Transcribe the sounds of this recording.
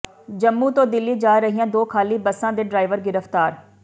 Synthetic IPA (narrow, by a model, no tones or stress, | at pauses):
d͡ʒəmːuːt̪õːd̪ɪlːiːd͡ʒaːɾəɦijãːd̪oːkʰaːliːbəsãːd̪eːɖɾaːɪʋəɾɡɪɾəfʰt̪aːɾ